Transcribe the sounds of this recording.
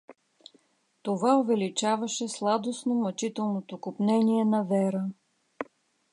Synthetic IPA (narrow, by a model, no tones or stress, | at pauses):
t̪ovaovɛlit͡ʃavɐʃɛslˠad̪osnomɐt͡ʃit̪ɛlˠnot̪okopnɛniɛnɐvɛɾə